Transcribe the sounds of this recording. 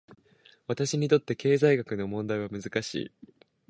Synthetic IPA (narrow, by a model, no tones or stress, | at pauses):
βat̪aɕiɲ̟it̪o̞t̪ːe̞ke̞ːzaiɡakɯ̟no̞mõ̞nd̪aiβamɯ̟zɨkaɕḭː